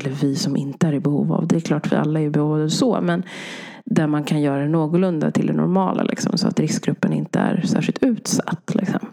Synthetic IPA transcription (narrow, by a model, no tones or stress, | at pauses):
lːəvɪsɔmʔɪnt̪əæɾɪbɛhṵːva̰vd̪ɛɛkʰlɑːʈvɪ̰a̰lːaɛɾjɵbɛhuːvad̪ɑvsɔmɛn | d̪æɾmankʰanjœːɾad̪ɛnoːɡʊlɵnd̪at̪ʰɪld̪ɛnɔɾmɑːlʔa̰lʔɪksɔmsɔat̪ɾɪskɡɾɵpːənɪnt̪əæɾsæːɾʂɪlt̪ʉ̟ːt̪sḁt̪ːlɪksɔm